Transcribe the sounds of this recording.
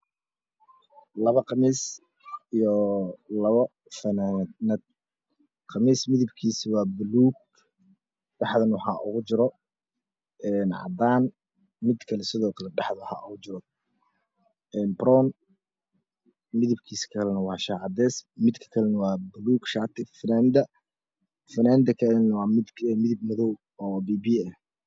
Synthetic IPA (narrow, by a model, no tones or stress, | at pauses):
lɐβɐqɑmiːs | ijɔlɐβɐ | fɐnaːnɐd̪̚ | qɑmiːsmɪðɪbkʰiːswɑːbʊluːɡ̚ | ɖɑħðɐnwɑħɑ̰ːʔʊɣʊt͡ʃɪɾɔ | ɛːnʕɑ̰d̪aːn | mɪd̪kʰɐlɛsɪðɔːkʰɐlɛɖɑħðɐwħɑ̰ːʔʊɣʊt͡ʃɪɾɔ | ɛːnbɾɔːn | mɪðɪbkʰiːskʰɐlɛnɐwɑːʃaːʕɑd̪ɛːsmɪd̪kʰɐ̥kʰɐlɛnɐwɑːbʊluːɡʃat̪ʰɪfɪnaːnd̪ɐ | fɪnaːnd̪ɐkʰɐnɐwɑːmɪd̪ɛmɪðɪb̚mðɔw | ɔːbiːbiːɐh